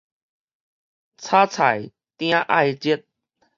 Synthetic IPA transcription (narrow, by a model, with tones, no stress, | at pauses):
t͡sʰaː˦t͡sʰa̰˨˩j | t̪ã˦ʔa̰˧jt͡ɕi˦ət̪̚